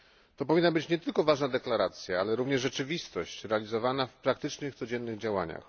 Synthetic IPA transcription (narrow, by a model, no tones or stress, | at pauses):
t̪ɔpɔvʲinːabɘt͡ɕɲɛt̪ɘlkɔvaʐnad̪ɛklaɾat̪sʲjaalɛɾuvɲɛʐʐɛt͡ʂɘvʲist̪ɔɕt͡ɕɾɛalʲizɔvanafpɾak̚t̪ɘt͡ʂnɘxt̪sɔd͡ʑɛnːɘɣd͡ʑawaɲa̰x